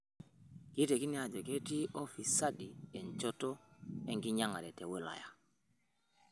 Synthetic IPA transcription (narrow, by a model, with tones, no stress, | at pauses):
ki˦te˨ki˦ni˦a˨d͡ʒo˨ke˦ti˦ʔo˦fi˨sa˦ɗi˨e˨nt͡ʃo˦to˦e˦ŋɡi˦ɲa˦ŋa̰˨ɾe˨te˨we˦la̰˨ja̰˨